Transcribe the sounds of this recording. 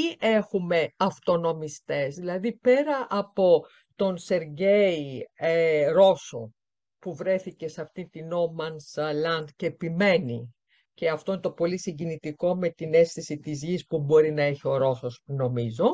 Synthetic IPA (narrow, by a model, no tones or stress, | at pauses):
iʔexume̞ɐft̪o̞no̞mist̪e̞zðilɐðipe̞ɾɐʔɐpo̞ | t̪o̞nse̞ɾʝe̞ieɾo̞so̞ | puvɾe̞θice̞sɐft̪int̪ino̞mɐnslɐnd̪ceːpime̞ni | ce̞ɐft̪o̞inet̪o̞po̞lisiɲɟinit̪iko̞me̞t̪ine̞sθisit̪izʝispubo̞ɾinɐe̞çio̞ɾo̞so̞sno̞mizo̞